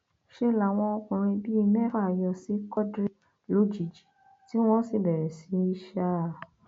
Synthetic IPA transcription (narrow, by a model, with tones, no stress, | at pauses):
ʃe˦la˨w̃ɔ̃˧ɔ˧kũ˨ɾ̃ĩ˧bi˦i˧nɛ̃˦fa˦˨jɔ˧si˨˦kɔ˦dɾi˦ | lo˨˦d͡ʒi˨d͡ʒi˨ | ti˦w̃ɔ̃˦si˦˨bɛ˨ɾɛ˨si˨˦i˦ʃa˦˨